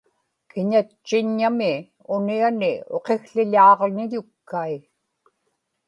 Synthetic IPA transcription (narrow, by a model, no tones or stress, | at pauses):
kɪɲat͡ʃːɪɲːamɪ | ʊnianɪo̞qe̞xɬɪʎɑːʁnɪʎʊkːai